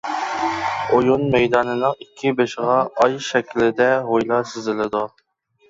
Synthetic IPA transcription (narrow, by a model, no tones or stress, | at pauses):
ojunmɛjd̪ɑːnɨnɨŋikʲʰːɪbeʃʁɑɑjʃɛkʲʰlɪd̪ɛɦojlˠɑsɪzɪlɪd̪u